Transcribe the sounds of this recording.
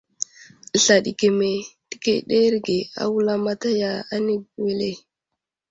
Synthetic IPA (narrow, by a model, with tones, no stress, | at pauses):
ɬa˨ɗḭ˨ke˨me˨d̥i˦kḛ˦˨ɗe˦ɾɡe˨a̰˦wu˦la˦ma˦ta˦ja˦a˦ni˦bwe˦le˦